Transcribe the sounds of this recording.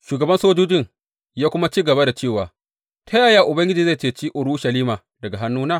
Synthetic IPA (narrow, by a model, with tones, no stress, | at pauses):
ʃuː˨ɡɐ˨bɐ˦nsoː˦d͡ʒoː˦d͡ʒɪ˦ŋ | jaː˦kʷʊ˦ma˦t͡ʃiː˦ɡɐ˨ba˦da˨t͡ʃeː˦˨waː˨ | tʰa˦jaː˨jaː˦ʔʊ˨bɐ˦ŋɡʲɪ˦d͡ʒiː˨za˦˨t͡ʃeː˦˨t͡ʃiː˦ʔʊ˨ɾu˦ʃɐ˨liː˦maː˨ | dɐ˨ɡa˨ɦa˦nːuː˦naː˦˨